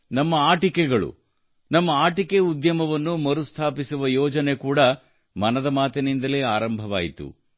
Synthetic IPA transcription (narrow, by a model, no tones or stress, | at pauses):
nɐmːɐaːʈikɛɡɐɭṵ | nɐmːɐaːʈikeud̪jɐmɐʋɐnːumɐɾust̪ʰaːpisuʋɐjɔːd͡ʒɐnekuːɽɐ | mɐnɐd̪ɐmaːt̪enind̪ɐle̞ːaːɾɐmbʱɐʋa̰ːjit̪ṵ